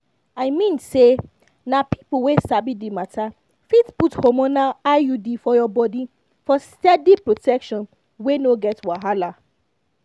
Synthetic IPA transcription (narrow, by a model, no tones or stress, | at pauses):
aɪmĩnse | napipowesabidimatʰa | fitputhomonalajudifɔjɔbɔdi | fɔstɛdipɹotʰɛkʃɔ̃n | wenoɡɛtwaɦala